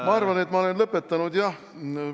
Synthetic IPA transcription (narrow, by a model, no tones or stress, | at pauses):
mɑɑrvɑne̞t̪ːmɑo̞lenlɤpːˑe̞t̪ːɑnud̪jɑh